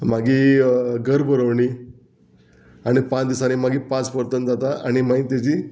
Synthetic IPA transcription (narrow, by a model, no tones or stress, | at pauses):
maɡiːɡʱəɾbʱəɾəʋɳi | aɽ̃ipãt͡sd̪isanimaɡiːpãt͡spəɾt̪ənd͡zat̪aʔaɽ̃imaĩt̪at͡ɕiː